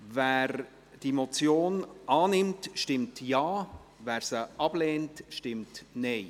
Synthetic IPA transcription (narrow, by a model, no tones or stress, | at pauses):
væːɾ | d̥imot͡sjoːnʔɑːnɪmtʃtɪmtjɑːvæːɾsəʔɑb̥lɛːntʃtɪmtnɛɪ